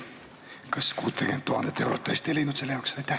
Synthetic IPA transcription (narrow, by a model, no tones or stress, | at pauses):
kɑskuːt̪ːekent̪ːuhɑnd̪et̪ḛwroːt̪ːeist̪elinut̪selːjɑːksʋɑjt̪æ